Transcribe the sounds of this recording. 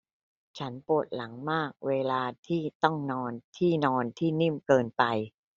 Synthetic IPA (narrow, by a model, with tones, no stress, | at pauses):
t͡ɕʰa˦˥npu˨˩t̪̚la˩˦ŋmaː˥˩k̚weː˧laː˧t̪ʰiː˥˩t̪ɔ˥˩ŋnɔː˧nt̪ʰiː˥˩nɔː˧nt̪ʰiː˥˩ni˥˩mkɤː˧npa˧j